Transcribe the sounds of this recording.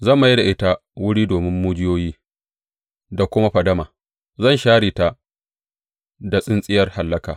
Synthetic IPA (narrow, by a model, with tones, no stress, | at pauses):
zɐ˦˨ma˨ji˦da˨ʔɪ˦ta˦ | wʊ˦ɽiː˦doː˨mɪ˦mːu˦d͡ʒɪ˦joː˦jiː˦ | da˨kʷʊ˦ma˦ɸɐ˨dɐ˦maː˨ | zɐ˦˨nʃaː˦ɽiː˨ta˨ | da˨sʼɪ˦nsʼɪ˦jɐ˦rha˨lːɐ˦ka̰ː˨